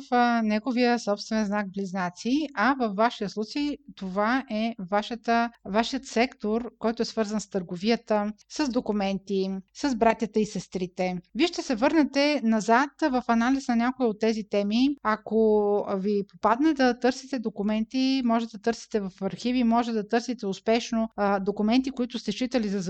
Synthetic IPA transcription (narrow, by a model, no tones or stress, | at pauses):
fnɛɡovijəsɔpst̪vɛnɛnznakbliznat̪siɐvɐfvːaʃijəslˠut͡ʃejt̪ovaʔɛvaʃət̪əvaʃiət̪sɛkt̪oɾkɔjt̪oɛsvɤɾzənst̪əɾɡoviət̪əsəzd̪okʊmɛnt̪isəzbɾat̪ʲjət̪əisɛst̪ɾit̪ɛviʃt̪ɛsɛvɤɾnɛt̪ɛnɐzat̪vɐfɐnalisnɐnʲakoiot̪ːɛzit̪ɛmiakovipopad̪nɛd̪ɐt̪ɤɾsit̪ɛd̪okʊmɛnt̪imɔʒɛt̪ɛd̪ɐt̪ɤɾsi̥t̪ɛvɐfɐɾxivimɔʒɛt̪ɛd̪ɐt̪ɤɾsit̪ɛʊspɛʃnod̪okʊmɛnt̪ikoit̪ʊst̪ɛʃit̪ɐlizɐz